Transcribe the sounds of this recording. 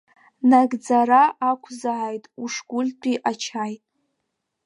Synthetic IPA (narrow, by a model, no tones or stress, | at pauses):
naɡʼd͡zaɾaʔakʷʰzaʕajtʼuʂɡʷʊlʲt͡pʼiʔat͡ʃʰajtʼ